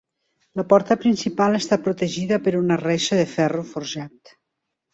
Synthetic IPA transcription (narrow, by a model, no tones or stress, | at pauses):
ləpɔɾt̪əpɾinsipalest̪apɾut̪eʒiðəpəɾunəreʃəðefɛrufoɾʒat̪